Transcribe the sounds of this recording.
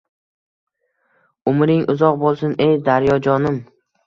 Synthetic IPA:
ʊmɾɪŋʊzɒqbolˠsʊnejd̪aɾjɒd͡ʒɒnɪm

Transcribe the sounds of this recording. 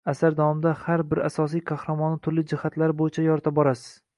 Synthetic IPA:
asaɾd̪awɒmɪd̪ahaɾbɪɾasɒs̬ijqʰɑhɾamɒnɪt̪ʰʊɾlɪd͡ʒɪhat̪laɾbojɪt͡ʃʰajɒɾt̪ʰabɒɾasɪ̥z̥

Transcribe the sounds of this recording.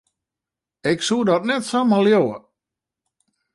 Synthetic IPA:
ɪksudɔtnɛtsamaljowə̰

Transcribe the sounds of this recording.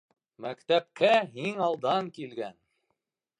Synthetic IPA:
mækt̪æp̚kæɦiŋɑlˠd̪ɑŋkilɡæn

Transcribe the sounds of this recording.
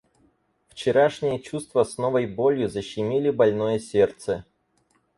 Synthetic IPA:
ft͡ɕɪɾaʂnʲɪjət͡ɕust̪vəsnovəjbo̞lʲjʊzəɕːɪmʲilʲɪbɐlʲno̞jəsʲert̪sə

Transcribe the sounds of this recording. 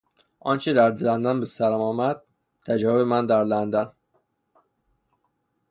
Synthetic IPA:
ʔɒːnt͡ʃʰed̪æɾlænd̪ænbesæɾæmɒːmæd̪̥̚ | t̪ʰæd͡ʒɒːvebemænd̪æɾlænd̪æn

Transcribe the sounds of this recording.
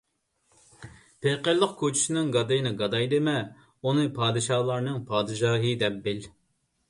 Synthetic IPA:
pʰeqəɾlˠəq̚kʲʰot͡ʃʰi̥ʃɪnɪŋɡɑd̪ɨjinɨɡɑd̪ɑjd̪ɨmɛ | unɨpʰɑːd̪ɨʃɑːlˠɑɾnɨŋpʰɑːd̪ɨʃɑːɦɨd̪ɛp̚bɪl

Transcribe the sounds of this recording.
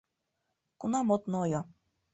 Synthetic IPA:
kunɑmot̪nɤojɤ

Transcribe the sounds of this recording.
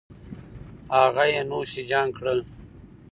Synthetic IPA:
aɣajenuːsid͡ʒaːŋkɽəl

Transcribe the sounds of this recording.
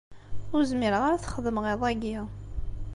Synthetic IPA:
ʊɾzmɪɾəʁaɾaθχəðəmʁeðˤæɡi

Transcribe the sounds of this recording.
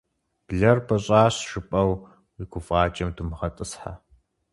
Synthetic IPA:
b̥ɮɐrbɐɕʼaːɕʃɨpʼɐw | iɡʷʊfʼɑːt͡ʃʼɐmdumɨʁɐtʼɨsħa̰

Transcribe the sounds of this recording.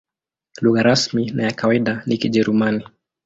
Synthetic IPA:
luɣaɾasminajakawaiɗanikiʄɛɾumani

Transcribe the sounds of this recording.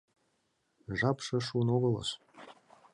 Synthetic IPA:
ʒɑpʂɤ̆ʂunoɣɤ̆lˠɤ̰ʃ

